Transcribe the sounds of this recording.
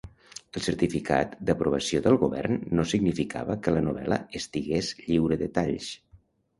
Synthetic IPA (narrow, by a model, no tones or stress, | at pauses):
əlˠsəɾt̪ifikʰa̰t̪d̪əpɾuβ̞əsioðəlˠɣuβɛ̰rnːosiɡnifikʰa̰βəkələnuβɛ̰lə̰əst̪iɣezʎiwɾəðət̪aʎs